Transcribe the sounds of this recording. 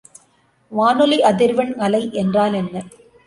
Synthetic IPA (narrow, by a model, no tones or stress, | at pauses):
ʋaːnɯliʔɐðɪɾʋɐnŋɐlɐɪʔɛndraːlɛnːɐ